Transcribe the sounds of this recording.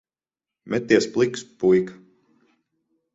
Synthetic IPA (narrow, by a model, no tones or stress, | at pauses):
mʲʔɛt̪ːiɛsplˠikspujk